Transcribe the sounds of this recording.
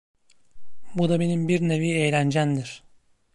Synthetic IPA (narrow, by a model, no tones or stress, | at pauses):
bud̪abe̞nimbiɾneviːejlʲænd͡ʒænd̪iɾ̥